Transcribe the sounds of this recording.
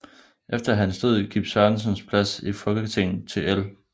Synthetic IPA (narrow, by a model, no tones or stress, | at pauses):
ʔefd̥ɐɦænsd̥o̝ðˠɡ̥ḭːb̥sɶɐn̩sənspʰlæsifɒ̽lɡ̥əkt͡sʰent͡sʰe̝el